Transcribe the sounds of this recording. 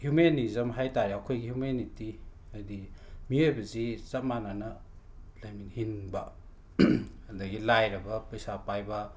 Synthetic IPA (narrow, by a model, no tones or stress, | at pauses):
hjumenizɐmɦajtaɾiɐkʰojɡihjumeniti | ɐdimiojbɐzit͡ʃɐt̚mananɐ | lɐjminhinbɐ | hɐndɐɡilajɾɐbɐpɐjsapajbɐ